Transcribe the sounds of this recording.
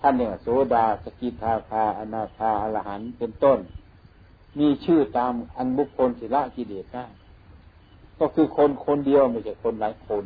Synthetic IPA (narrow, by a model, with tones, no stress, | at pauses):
t̪ʰa˧˥˨nːda˧˩wa˨˩soː˨˦daː˧˩sa˧ki˧˦t̪̚haː˧kʰaː˧˩ʔa˧naː˧˩kʰaː˧˩ʔa˧la˧ha˨˦npe˧nt̪o˧˥˨n | miː˧˥˨t͡ɕʰɯː˧˩t̪aː˧mʔa˧nbu˧˥kʰːo˧˨nt̪ʰiː˧˨la˧˥˨ʔki˧˨deː˨˩t̪̚ŋaː˧˥˩n | kɔ˧˩kʰɯː˧kʰo˧˥˨nkʰo˧˥˨ndi˧əwmi˧˨t͡ɕʰa˧˩jkʰo˧˨nlaː˨˦jkʰo˧˨n